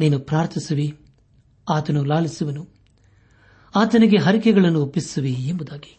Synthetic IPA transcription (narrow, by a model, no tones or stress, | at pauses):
niːnupɾaːɾt̪ʰisuʋi | aːt̪ɐnulaːɭisuʋɐnu | aːt̪ɐniɡe̞ɦɐɾikɛɡɐɭɐnːuopːisuʋiembud̪aːɡi̥